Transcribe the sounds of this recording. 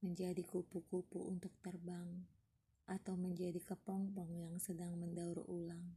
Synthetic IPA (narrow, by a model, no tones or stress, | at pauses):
məɲd͡ʒadikupukupuʔṵnt̪ʊk̚t̪ərbaŋ | ʔat̪awməɲd͡ʒadikəpɔŋpɔŋjaŋsədaŋməndauɾulaŋ